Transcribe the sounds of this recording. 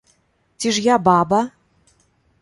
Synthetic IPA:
t̪iʐjababa

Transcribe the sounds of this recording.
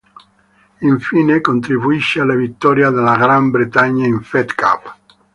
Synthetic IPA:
iɱfiːnekont̪ɾibuiʃːealːavit̪ːɔɾjad̪elaɡɾambɾet̪aɲːaiɱfɛt̪ka̰pː

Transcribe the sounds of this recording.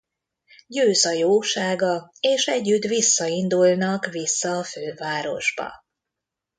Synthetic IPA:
ɟøːsɒjoːʃaːɡɒeːʃɛɟːyt̪ʋisːɒind̪ulnɒkʋisːɒːføːvaːɾo̞̰ʒbɒ̰

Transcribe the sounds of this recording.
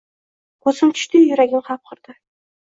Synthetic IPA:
kʰɵsɪmt̪ʰʊ̥ʃt̪ʰɪjjʊɾaɡʲɪnqʰɑp̚qʰɨɾd̪̥ɪ

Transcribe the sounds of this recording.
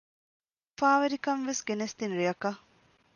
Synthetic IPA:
faːʋeɾikɐnʋesɡenest̪inrijɐkɐ

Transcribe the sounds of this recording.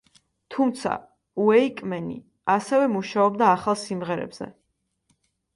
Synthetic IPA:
t̪ʰumt̪sʰa̰ | uɛikʼmɛnḭ | asɛvɛmuʃaɔbd̪aːχalˠsimʁɛɾɛ̰bz̥ɛ̰

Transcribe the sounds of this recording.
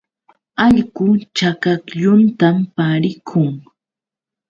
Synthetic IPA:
aʎɢʊt͡ʃakakʎʊnt̪ampaɾɪkʰʊŋ

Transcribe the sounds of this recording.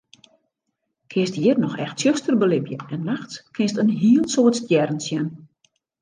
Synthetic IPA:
kʰɪəstjiərnɔxɛ̰xtsjøstərbəlɪbjəɛnmaxtskʰɪnstənɦiəlˠsoːətsdjɛɾən̩sjɛn

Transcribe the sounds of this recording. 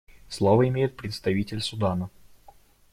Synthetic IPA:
slˠovəɪmʲejɪt̪̚pɾʲɪt̪st̪ɐvʲitʲɪlʲsʊd̪anə

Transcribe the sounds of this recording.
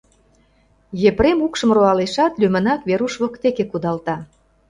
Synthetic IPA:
jepɾemukʃə̆mroɑleʃɑt̪lʲymə̆nɑkβeɾuʃβə̆kt̪ekekud̪ɑlt̪ɑ

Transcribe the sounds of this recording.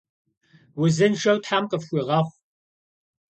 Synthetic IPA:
wʊzɨnʃowtʰħamqʼəfʃʷiʁɐχʷ

